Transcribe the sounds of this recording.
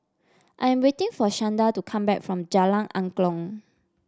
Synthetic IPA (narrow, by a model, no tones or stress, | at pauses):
ʔãjɛ̃mwetɪ̃ŋfɔʃãndatukʰãmbɛ̰k̚fɹɔ̃md͡ʒalãnʔãŋklɔ̃ŋ